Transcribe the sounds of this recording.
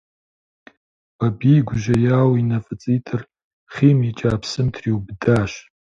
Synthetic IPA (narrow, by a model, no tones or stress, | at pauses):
b̥abijɡʷʊʒɐjaːwinɐfʼɨt͡sʼiːtʼɨr | χiːmit͡ʃʼaːpʰsɨmtʰriwbdaːʃ